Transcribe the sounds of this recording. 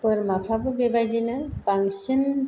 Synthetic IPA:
pɯɾmapʰabɯbebajdinɯbaŋsin

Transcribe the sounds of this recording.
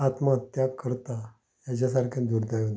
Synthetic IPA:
at̪məət̪jaɡkəɾt̪a | jat͡ɕas̬aɾkʰãnd̪uɾd̪ajo

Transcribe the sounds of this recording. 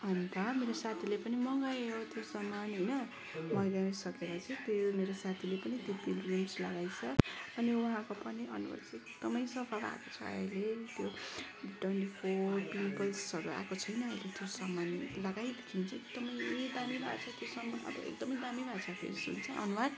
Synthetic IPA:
ɦʌnt̪ʌmeɾosat̪ʰilepʌnimʌŋɡʌjɦot̪josʌmːanɦʌjnʌ | mʌɾjaisʌkeɾʌt͡sʌĩt̪jomeɾosat̪ʰilepʌnid̪ipilrimslʌɡajt͡sʰʌʌniwuɦãkopʌniʔʌ̰nuwa̰lt͡sekd̪̥ʌmʌjsʌpʰala̰kot͡sʰʌ̰ʌ̰jlet̪jo | ʈwenʈipʰopinpʌjssʌɾua̰kot͡sʰʌjnʌʌjlet̪josʌmanlʌɡajd̪ekʰint͡sek̚d̪ʌmʌjd̪amila̰ɡt͡sʰʌt̪josʌmʌ̰bʌ̰ḛkd̪ʌmʌjd̪amibʱat͡sʰʌpʰḛɾisṵnt͡sʰʌʔʌ̰nuwad̪

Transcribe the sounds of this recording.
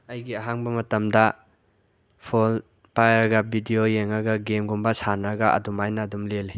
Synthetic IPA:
ɐjɡiɐɦaŋbɐmɐtɐmdɐ | pʰol | pajɾɐɡɐbʱidijojeŋɐɡɐɡemɡumbɐsanɾɐɡɐʔɐ̰dumajnɐːdumlele

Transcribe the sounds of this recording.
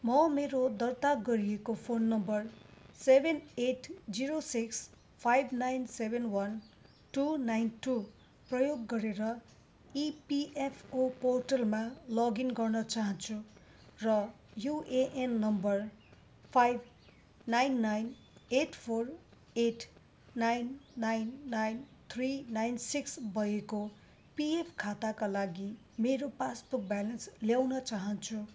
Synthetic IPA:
mʌmeɾod̪ʌrt̪aɡʌɾiekopʰonːʌmbʌrsebʱeneʈd͡ziɾosiks | pʰajbʱnajnsebʱenwʌn | ʈunajnʈu | prʌjoɡːʌɾeɾʌ | ipiʔepʰoporʈʌlmalʌɡinɡʌrnʌt͡saɦʌnt͡sʰu | rʌ | joʔeʔenːʌmbʌr | pʰajb | najnːajn | eʈʰpʰor | eʈʰ | najnːajnːajnt̪ʰrinajnsiksbʱʌjeko | piepʰkʰat̪akalaɡi | meɾopasbuk̚bjalʌnsljawnʌt͡saɦʌnt͡sʰu

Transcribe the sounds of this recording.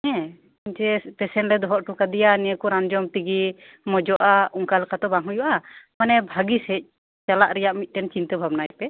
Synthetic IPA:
ɛ̃ | ɲt͡ʃɛpɛsɛnɾɛd̪ɔɦɔʔʈukad̪ɛjanɛəkɔɾand͡ʒɔmt̪iɡi | mɔd͡ʒɔʔauŋkalkat̪ɔbaŋɦujuʔamanɛbʱaɡisɛc̚ | t͡ʃalaʔɾɛjaʔmit̪̚ˀʈɛnt͡ʃint̪əbʱabnajpɛ

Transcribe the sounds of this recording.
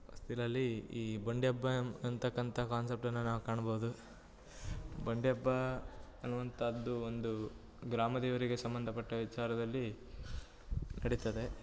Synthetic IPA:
st̪ʰilɐlːiiːbɐɳɖjɐbːɐɐnt̪ɐkːɐnt̪ʰɐkaːnsep̚ʈɐnːɐnaːʋukaːɳɐboʋud̪u | bɐɳɖjɐbːɐː | nːuʋɐnt̪ʰɐːd̪ːuo̞nd̪u | ɡɾaːmɐd̪ɛːʋɐɾiɡe̞sɐmbɐnd̪ʱɐpɐʈːɐʋit͡ʃaːɾɐd̪ɐlːi | nɐɽit̪ɐd̪e̞

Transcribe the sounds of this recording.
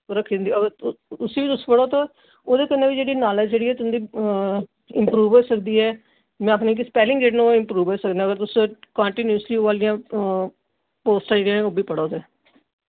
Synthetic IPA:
ɾəkʰːnd̪iːəɡəɾʊsĩːʋiːt̪ʊspəɽoːt̪õː | oːd̪eːkənːeːʋiːd͡ʒeːɽiːnaːlɛd͡ʒd͡ʒeːɽiːɛːt̪ʊnd̪iː | ɪmpɾuːʋɦoːsək̚d̪iːɛː | mɛ̃ːəpneːk̬ɪspɛːlɪ̃ŋɡeːʈnũɪmpɾuːʋɦoːsəkd̪eːɡəɾt̪ʊsõkãːɳʈiːnjuːsliːoʋaːlɪjãː | poːsʈãd͡ʒeːɽiãːnẽoːbiːpəɽoːt̪ẽː

